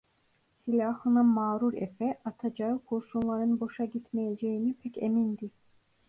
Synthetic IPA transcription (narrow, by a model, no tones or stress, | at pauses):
silʲaːhɯnamaːɾuɾḛfɛʔat̪ʰad͡ʒaɯkʰuɾsunlˠaɾɯnbo̞ʃaɟit̪mejed͡ʒejinipʰɛcḛmind̪i